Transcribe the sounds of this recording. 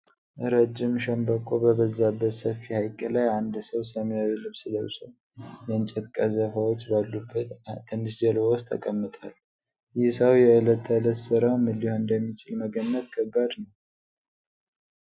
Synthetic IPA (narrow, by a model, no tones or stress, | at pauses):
ɾəd͡ʒːɪmʃəmbəkʼːobəbəzːabːət̪səfːihajkʼːəlajand̪səwsəmjawilɨβsɨləwsəw | jɛɨnt͡ʃʼɛt̪kʼəzəfawot͡ʃːbalːubːət̪t̪ʰːɨnːɨʃd͡ʒəlɔst̪ʰːə̰kʼəmːɨt̪ʼal | jɪhsəwjɛɨlət̪ʰːələsɨɾawmɨlːihoɨnd̪əmːit͡ʃʰɪlməɡənːət̪kʰəbːad̪nəw